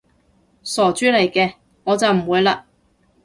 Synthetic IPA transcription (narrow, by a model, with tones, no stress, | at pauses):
sɔː˨˩t͡ʃyː˨˥le˨˩jkɛː˧ | ŋɔː˨˧t͡sɐ˨wm̩˨˩wuː˨˧jlaː˧